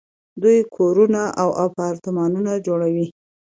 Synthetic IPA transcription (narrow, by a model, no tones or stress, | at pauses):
d̪ujkʰoɾunaʔawʔapɑɾt̪ɪmɑnunad͡ʒoɽawi